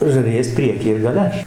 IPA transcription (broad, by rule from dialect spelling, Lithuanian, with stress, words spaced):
ʒɐrʲɪˈjɛs ˈpʲrʲiɛkʲiː ɪr ɡɐˈlʲɛ